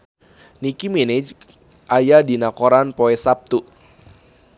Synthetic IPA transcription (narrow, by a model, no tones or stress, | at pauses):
nikimenɛd͡ʒ | ʔajadinakoɾanpɔɛsap̚t̪uʔ